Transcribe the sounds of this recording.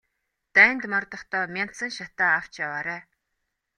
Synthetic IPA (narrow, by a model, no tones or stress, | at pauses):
t̪æːnt̪mɔrt̪ɞ̆χt̪ɔːmʲan̥sə̆ŋʃat̪aːaw̥t͡ɕjawaːɾæː